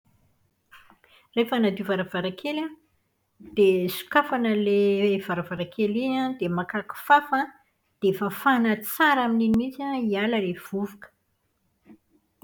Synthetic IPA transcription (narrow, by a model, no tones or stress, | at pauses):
refanad̪ivaɾəvaɾakʰela | d̪̥esu̥kafanəlev̥aɾavaɾakʰeliãd̪emakaku̥fafə | d̪̥efafanət͡saɾamininimit͡saialəlev̥uvukə̥